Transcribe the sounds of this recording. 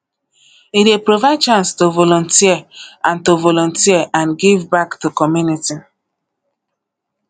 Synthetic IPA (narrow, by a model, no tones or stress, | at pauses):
idepɾovat͡ʃãnstovolɔ̃ntiɛãntovolɔ̃ntiɛʔãnɡivbaktukɔmjuniti